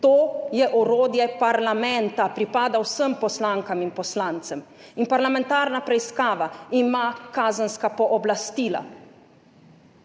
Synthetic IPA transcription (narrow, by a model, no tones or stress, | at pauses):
t̪oːjɛʔɔɾoːd̪jɛpaɾlamɛnt̪apɾipaːd̪awsəmpɔslaːŋkaminpɔslaːnt̪sɛm | inpaɾlamɛ̃nt̪aːɾnapɾɛiskaːʋaimakaːzənskapɔʔɔblast̪iːla̰